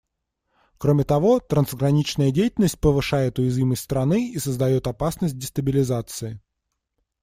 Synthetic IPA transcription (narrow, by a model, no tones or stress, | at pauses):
kɾomʲɪt̪ɐvo̞t̪ɾənzɡɾɐnʲit͡ɕnəjədʲejɪtʲɪlʲnəsʲt̚ʲpəvɨʂajɪt̪ʊjɪzvʲiməsʲtʲst̪ɾɐnɨisəzd̪ɐjo̞t̪ɐpasnəsʲt̚ʲdʲɪst̪əbʲɪlʲɪzat̪sɨɪ